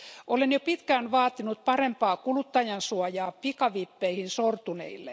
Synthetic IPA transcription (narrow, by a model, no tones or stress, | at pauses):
ʔolenjopit̪kæːnʋɑːt̪inut̪̚pɑrempɑːkulut̪ːɑjɑnsuɑjɑːpikɑʋipːeihinsort̪unḛilːe